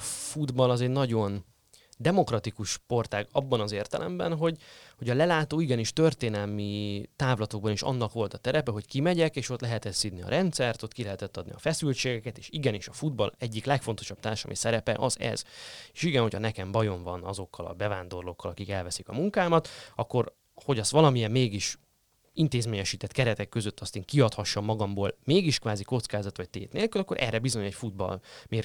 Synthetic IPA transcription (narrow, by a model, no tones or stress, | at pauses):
fud̪bɒlɒzɛɟnɒɟo̞n | d̪ɛmo̞krɒt̪ikuʃpo̞rt̪aːɡɒbːɒnɒzeːrt̪ɛlʔɛ̰mbɛ̰nɦo̞ɟho̞ɟɒlɛlaːt̪oːiɡɛniʃt̪ørt̪eːnɛlmit̪aːvlɒt̪o̞ɡ̚bɒniʃɒ̰nːɒkʋo̞lt̪ɒt̪ɛɾɛpɛɦo̞ckimɛɟɛkeːʃo̞t̪lɛɦɛt̪ɛsːid̪niɒ̰ɾʔɛnt̪sɛrt̪o̞t̪ːkilɛɦɛt̪ɛt̪ːɒd̪nḭɒfɛsylt͡ʃeːɡɛkɛt̪eːʃiɡɛniʃɒfud̪bɒ̰lɛɟːiklɛkfo̞nt̪o̞ʃɒb̥̚t̪aːrʃɒ̰misɛɾɛpɛ̰ʔɒzɛ̰z̥eʃiɡɛnho̞cʰɒnɛkɛmbɒjo̞ɱvɒnɒzo̞kːɒlɒ̰bɛvaːnd̪o̞rlokːɒlɒkikɛlvɛsikɒmuŋkaːmɒt̪ɒkːo̞ɾ | ho̞ɟɒst̪ʋɒlɒmijɛmmeːɡiʃ | int̪eːzmeːɲɛʃiːt̪ɛt̪kɛɾɛt̪ɛkːøzøt̪ʰːɒst̪eːŋkiɒt̪hɒʃːɒmːɒɡɒmboːlmeːɡiʃkʋaːziko̞t̪skaːzɒt̪ʋɒct̪ḛːt̪neːlkylɒkːoɾʔɛ̰rɛbizo̞ɲɛcfud̪̚bɒ̰lmeː